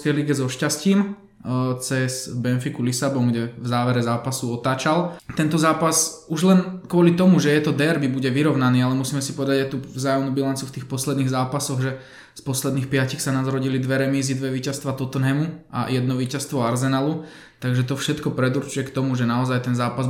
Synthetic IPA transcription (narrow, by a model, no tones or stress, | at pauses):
kɛjliɡɛzɔʃcasciːm | t͡sɛz̥bɛnfikulisabɔŋɡɟɛvzaːʋɛɾɛzaːpasuɔt̪aːt͡ʃalt̪ɛnt̪ɔzaːpasuʒlɛnkʊɔlit̪ɔmuʒɛjɛt̪ɔd̪ɛɾbibuɟɛʋiɾɔʊnaniːalɛmusiːmɛsipɔʋɛd̪aɟajt̪uvzaːjɔmnubilant͡siuft̪iːxpɔslɛd̪niːɣzaːpasɔɣʒɛ | spɔslɛd̪niːxpɪacixsanazɾɔɟilid̪ʋɛɾɛmiːzid̪ʋɛʋiːcast̪ʋat̪ɔt̪ɔnɦɛmua̰jɛd̪nɔʋiːcast̪ʋɔaɾzɛnalu | t̪aɡʒɛt̪ɔfʃɛt̪kɔpɾɛd̪uɾt͡ʃujɛkt̪ɔmuʒɛnaɔzajt̪ɛnzaːpaz